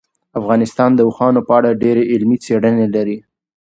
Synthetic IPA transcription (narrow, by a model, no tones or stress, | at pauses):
afɣɑnɪst̪ɑnd̪əuxɑnopəaɽaɖeɾeʔɪlmit͡seɽənelaɾi